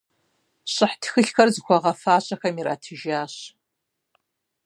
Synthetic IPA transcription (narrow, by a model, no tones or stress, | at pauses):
ɕʼəħtxɨɬxɐrzkʷʰaʁɐfaːɕʼɐxɐmiɾa̰ːtʰɨʒaːɕ